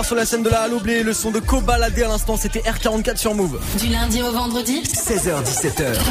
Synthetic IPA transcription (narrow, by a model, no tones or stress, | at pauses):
ʁsyʁlasɛnd̪əlaːlobleləsɔ̃d̪əkobalad̪ealɛ̃st̪ɑ̃set̪ɛʔɛʁkaʁɑ̃t̪̚kʲat̪χsyʁmuv | d̪ylɛ̃d̪iovɑ̃d̪ʁəd̪isɛzœʁd̪isɛt̪œːʁ